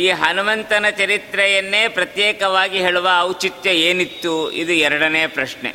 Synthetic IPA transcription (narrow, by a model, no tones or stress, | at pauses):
iːɦɐnumɐnt̪ɐnɐt͡ʃɐɾit̪ɾɛjɐnːeːpɾɐt̪jɛːkɐʋaːɡiɦeːɭuʋɐːwt͡ʃit̪jɐeːnit̪ːuḭd̪uɛɾɐɽɐnɛjɐpɾɐʂɳḛ